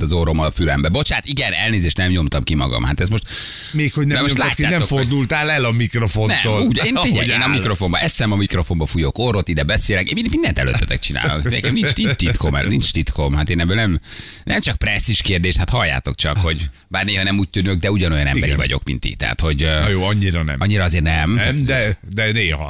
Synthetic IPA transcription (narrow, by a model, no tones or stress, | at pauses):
t̪ɒzoɾomɒfylɛmbɛbo̞t͡ʃaːt̪iɡɛnɛlneːzeːʃt̪nɛmɲo̞mt̪ɒmkimɒ̰ɡɒ̰mha̰t̪ɛsmo̞ʃt̪ | meːkʰhoɟnɛɛmotlaːcːaːnɛoford̪ult̪aːlɛlɒmikro̞fo̞nɛtːmoluːɟeːnidɛeːnɒmikro̞fo̞mbɒʔɛsɛmɒmikro̞fo̞mbɒfujokoɾot̪id̪ɛbɛseːlɛkemimind̪ɛnt̪ɛ̰lø̰t̪ːɛ̥̰t̪ɛk̚t͡ʃina̰ːlo̰kɛkɛmnint͡ʃnit̪it̪komɛ̰nint͡ʃt̪it̪komɦat̪eːnɛbøːlnɛmnɛmt͡ʃɒk̚prɛsːiʃkeːrd̪eːʃt̪hat̪hɒlːa̰ːt̪o̞kt͡ʃɒkho̞ɟ | baːrneːɦɒnɛmuːc̚t̪ynøɡ̚d̪ɛuɟɒno̞jɒ̰nɛ̰mbɛɾḭvɒ̰ɟo̞̰kmḭnt̪ḭt̪ɛ̰ɦa̰t̪ho̞ɟjoːɒɲːiɾɒnɛ̰mɒɲːiɾɒɒzeːrnɛmɛd̪ɛneːhɒ̰